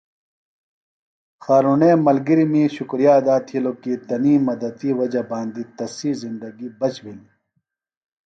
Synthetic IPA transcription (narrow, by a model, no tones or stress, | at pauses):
xaːɾuːnẽːmɐlɡiɾimĩɕukɾijaːd̪aːt̪ʰilokit̪ɐniːmːɐd̪ɐd̪iwɐd͡ʑabaːnd̪it̪ɐsizind̪ɐɡibɐt͡ɕbil